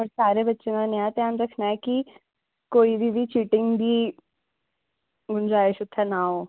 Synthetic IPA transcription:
ɐɾsaːɾebɐtːʃemãnjãt̪eãmɾəkʰnaːɛki | koːibʱibʱit͡ʃiːʈɪ̃ŋɡb̪ʱiː | ɡʊnd͡ʒaːɪʃʊt̪ʰːɛnaɦoː

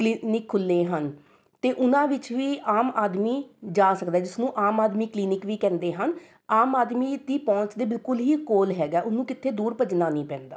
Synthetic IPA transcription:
klinɪkʰːʊlːeːɦən | t̪eːʔʊnãːʋɪt͡ʃʋiːʔaːmaːd̪miːd͡ʒaːsəkd̪aɛːd͡ʒɪsnũːʔaːmaːd̪miːkliːnɪkʋiːkɛ̃ːnd̪eːɦən | aːmaːd̪miːd̪iːpɔ̃ːt͡ʃd̪eːbɪlkʊlɦiːkoːlɦɛːɡaːʔʊnnũːkɪt̪ʰːeːd̪uːɾpəd͡ʒnaːnĩːpɛ̃ːnd̪a̰ː

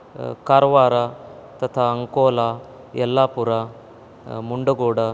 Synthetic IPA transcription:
kaɾʋaɾat̪ɐt̪ʰaəŋkola | jəlːapuɾa | muɳɖəɡoɽa

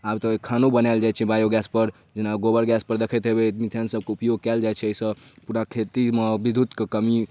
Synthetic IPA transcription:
abt̪əkʰanobənald͡ʒajt͡ʃʰɛbajoɡɛspəɾ | d͡ʒenaɡobəɾɡɛspəɾd̪ekʰɛt̪ɦebemit̪ʰənsəb̚ʱkeupjoɡ̚kɛld͡ʒajt͡ʃʰɛəisə̃puɾakʰet̪imebid̪ʱut̪kekəmi

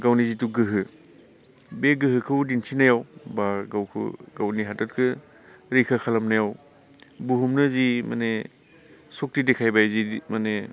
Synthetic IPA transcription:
ɡawnizituɡɯɦɯ | beɡɯɦɯkʰɯwdinsʰinajawbaɡawkʰɯ̰ɡawniɦatat̚kʰɯ | ɾikʰakʰalamnajaw | buɦumnɯzima̰ne | sok̚tidekʰajbajzimane

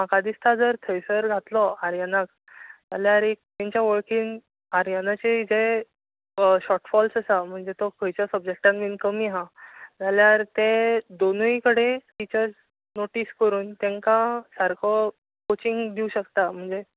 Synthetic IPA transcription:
makad̪ist̪ʰad͡zəɾt̪ʰəjsəɾɡʱat̪lɔaɾjanak̚ | d͡zaljaɾek̚t̪ɛ̃ɲt͡ɕjaʋəɭkiːn | aɾjanat͡ɕeid͡ze | ɕɔʈfɔlsəsam̤əɳd͡zet̪ɔkʰəjt͡ɕasəb̚d͡ʑek̚ʈãnʋinkəmiɦãd͡zaljaɾt̪ẽd̪onujkəɽefit͡ɕəɾ | noʈiskəɾuːnt̪jãŋkasaɾkʰɔ | kot͡ɕiŋɡd̪iuɕəkt̪am̤əɳd͡ze

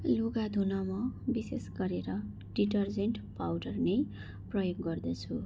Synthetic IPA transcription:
loɡad̪ʱunʌmʌbisesɡʌɾeɾʌ | ɖiʈʌrd͡zeɳʈpawɖʌrnej | prʌjoɡːʌrd̪ʌt͡sʰu

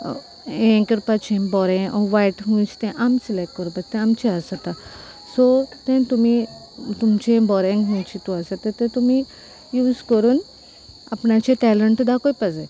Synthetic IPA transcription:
ẽŋkəɾpat͡ʃʰẽbɔɾẽʔɔʋajʈɦũt͡ʃʰi̥t̪ẽʔamsilek̚ʈ̚kəɾupɐt͡ʃt̪ẽamt͡ʃʰiasat̪a | sot̪ẽt̪umĩ | t̪umt͡ʃʰẽbɔːɾẽŋɡɦũt͡ʃʰit̪uasat̪et̪ẽt̪umĩ | juːzkoɾun | ɐpnat͡ʃʰeʈɛːləɳʈd̪akoipɐze

